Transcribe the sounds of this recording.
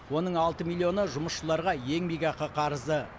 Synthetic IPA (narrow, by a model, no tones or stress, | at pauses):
wo̞nəɴɑlˠt̪əmilʲˠːio̞nəʒʊməsʃəlˠɑɾʁɑje̞ŋbiɡʲɑqəqʰɑɾəzd̪ə